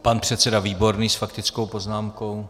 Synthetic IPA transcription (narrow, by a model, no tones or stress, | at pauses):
panpr̝̥ɛt̪t͡sɛdaviːbo̞ɾniːsfakt̪ɪt͡sko̞wpo̞znaːmko̞w